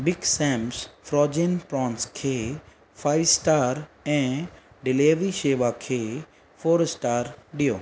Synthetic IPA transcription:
bɪɡsɛ̃ːmsfɾɔːd͡ʒenpɾɔ̃ːnskʰeː | faːɪsʈaːɾɛ̃ː | ɖɪleːʋiʃeːʋakʰeː | foːɾsʈaːɾɗijoː

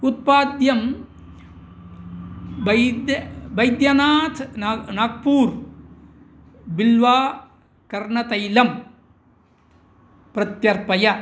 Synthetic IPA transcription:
ut̪̚paːd̪jɐm | bɐd̪bɐjd̪jɐnaːt̪ʰːnak̚puːɾ | bilʋaː | kɐɾɳɐt̪ɐjlɐm | pɾɐt̪jɐɾpɐjɐ

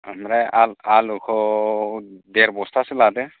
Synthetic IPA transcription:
amɾajalalukʰɔ | d̪ɛɾbɔst̪ʰasilad̪ɛ

